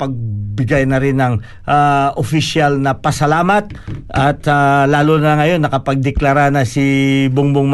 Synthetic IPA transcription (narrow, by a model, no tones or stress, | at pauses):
pɐɡ̚bɪɡajnɐɾɪnːɐŋ | ʔaʔofɪʃjalnɐpɐsɐlaːmɐt̪̚ʔɐt̪alaːlunɐlɐŋɐjo̞nːɐkɐpɐɡ̚d̪ɛklaɾanɐsibʊŋbʊŋm